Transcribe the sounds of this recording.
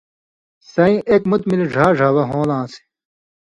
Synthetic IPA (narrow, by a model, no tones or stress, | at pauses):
sɐĩʔekmut̪miliʐʱaːʐʱaːwɐɦõːlãːsi̥